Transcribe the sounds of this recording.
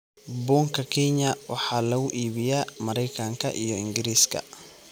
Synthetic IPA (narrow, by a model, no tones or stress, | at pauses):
bɔːŋkʰɐkʰɛɲɐwɑħɑːlɐɣʊʔiːβɪjaːmɐɾɛjkʰɐŋkʰɐʔijɔɪŋɡɪɾiːskʰɐ̰